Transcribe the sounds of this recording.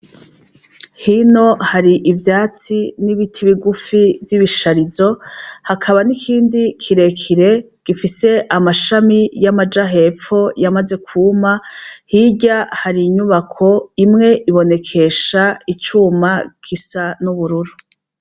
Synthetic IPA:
hino̞haɾiʔivjaːt͡siniβitʰiβiɡufivjiβiʃaɾizo̞hakʰaβanikʰiːndikʰiɾe̞kʰiɾe̞ | ɡ̥ifise̞ʔamaʃamijamad͡ʒaɦe̞ːp͡ffo̞jamaze̞kʰuːmahiɟahaɾiɲuβakʰo̞imŋe̞ʔiβo̞ne̞kʰe̞ʃait͡ʃumakʰisanuβuɾuɾu

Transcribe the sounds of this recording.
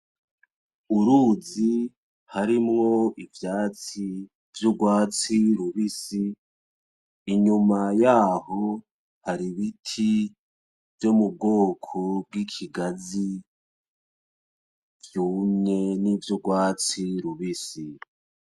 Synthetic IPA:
uɾuːzi | haɾimŋo̞ivjaːt͡si | vjuɡwaːt͡siɾuβisi | ɲumajaːho | haɾiβitʰi | vjomub̚ɡoːkʰob̚ɡikʰiɡazi | vjuːmɲe̞nivjuɡwaːt͡siɾuβisi

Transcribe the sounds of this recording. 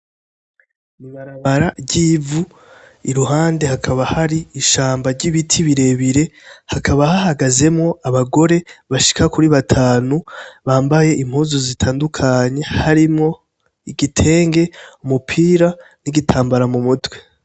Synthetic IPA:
imaɾaβaɾaɟiːvu | iɾuɦaːnde̞hakʰaβahaɾiːʃaːmbaɾɟiβitʰiβiɾe̞βiɾe̞hakʰaβahahaɡaze̞mŋo̞aβaɡo̞ɾe̞βaʃi̥kakuɾiβatʰaːnuβaːmbaje̞ʔim̥huːzozitʰaːndukʰaɲe̞haɾimŋo̞ | iɡitʰe̞ːŋɡe̞umupʰiːɾaniɡitʰaːmbaɾamumutwe

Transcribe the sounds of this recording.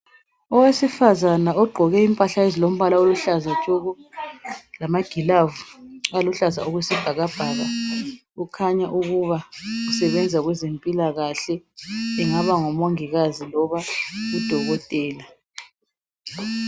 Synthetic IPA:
ɔwesifazanaɔɡ͡ǃʱɔɣɛimpʼaɬaezilom̩βalaoluɬazat͡ʃʼɔɣu | lamaɡ̥ʱilavualuɬaza̰oɣwisib̥ʱaɣab̥ʱaɣa | ukʰaɲaʔuɣuβaɣusɛβɛnd͡zʱaɣwɛzempʼilaɣaɬɛːŋaβaŋɔmoŋiɣazilɔβaɣud̥ʱɔɣɔtʼɛːla

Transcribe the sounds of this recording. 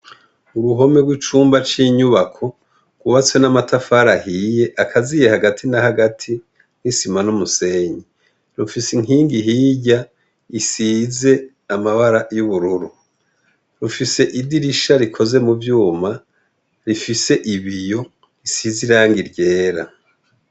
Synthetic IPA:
uɾuɦo̞me̞ɡwit͡ʃuːmbat͡ʃiːɲuβakʰo̞ | ɡ̥wuβat͡swe̞namatafaːɾahiːje̞ʔakʰazije̞haɡatʰinahaɡatʰi | nisimanumuse̞ːɲi | ɾufisiŋ̥iːŋɡiɦiːɟa | isiːze̞ | amaβaɾajuβuɾuɾu | ɾufise̞ʔidiɾiʃaɾikʰo̞ze̞muvjuːma | ɾifise̞ʔiβijo̞ | isiziɾaːŋɡiɾɟe̞ːɾa̰

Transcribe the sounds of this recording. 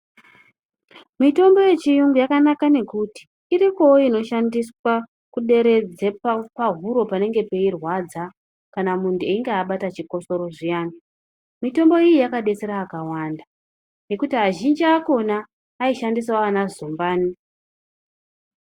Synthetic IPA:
mito̞mbo̞je̞t͡ʃijuŋɡujakanakane̞kuti̥ːɾiko̞ino̞ʃandiswa | kuɗe̞ɾe̞d͡zeppaɦuɾo̞pane̞ŋɡe̞pe̞irwad͡za | kanamuntueiŋɡeaɓatat͡ʃiko̞so̞ɾo̞ʐijaːno | mito̞mbo̞ijijakaɗe̞t͡se̞ɾaːkawanda | ne̞kutiɦaʒind͡ʒiako̞naː | iʃandisaaanazombaːni

